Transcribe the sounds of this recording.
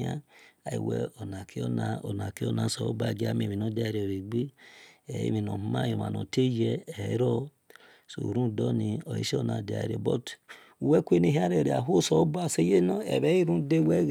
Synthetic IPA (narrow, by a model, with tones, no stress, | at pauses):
a˦a˨i˨wɛ̰˦ɔ˨na˨kʰi˦ɔ˦na˨o˨na˨ki˦ɔ˦na˨˦˨sɔ˨o˦ba˦˨ɡi˦a˦mi˨mĩ˨no˦da˦˨ɾi˨o˨ɾi˨ɡ͡bi˦ɛ˨˦ḭ˦mĩ˨no˨mu˦ma˦˨jo˨ma̰˨nɔ̰˨te˦jɛ˦ɛ˨˦ɾɔ˦ | so˨ɾũ˦˨dɔ˦ni˧ɔ˨jḭ˦ʃe˦ɔ˦˨na˨de˨a̰˨ɾḛ˨bɔ˦t | u˨wɛ˦kʷe˦ni˦ɦi˦a˦ɾe˨ɾe˨a̰˨ɦu˦sɔ˨o˦ba˦˨se˦je˦nɔ˦ɛ̰˨bɛ˦i˦ɾũ˦de˦wɛ˦